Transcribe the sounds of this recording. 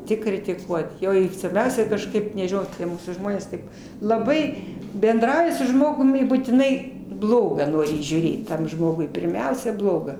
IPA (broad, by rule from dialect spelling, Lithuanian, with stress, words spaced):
ˈtʲɪk krʲɪtʲɪˈkuɔt ˈjoː ɪr sʋɐrʲˈbʲɛʊsʲɛ kɐʃˈkɐɪp nʲɛʒʲɪˈnɐʊ tʲiɛ ˈmuːsuː ˈʒmoːnʲeːs tɐɪp lˠɐˈbɐɪ bʲɛnˈdrɐʊjɪ sʊ ˈʒmoːɡʊm ɪ buːtʲɪˈnɐɪ ˈblˠoːɡɐ ˈnoːrʲɪ iːʒʲuːˈrʲeːt ˈtɐm ˈʒmoːɡʊɪ pʲɪrʲˈmʲɛʊsʲɛ ˈblˠoːɡɐ